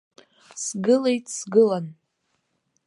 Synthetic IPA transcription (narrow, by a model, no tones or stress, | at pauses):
sɡɨlejtʼsɡɨlan